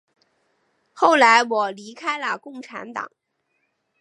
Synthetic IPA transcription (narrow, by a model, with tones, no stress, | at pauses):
xo˥˩ʊla˧˥ɪwɔ˨˩li˧˥kʰa˥ɪlə˨kʊ˥˩ŋʈ͡ʂʰa̰˧˥nt̪ɑ̰˨˩˦ŋ